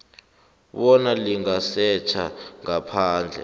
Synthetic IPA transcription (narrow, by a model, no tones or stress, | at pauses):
ɓɔnaliŋasɛt͡ʃʰa̰ŋapʰaːnd͡ɮʱɛ̰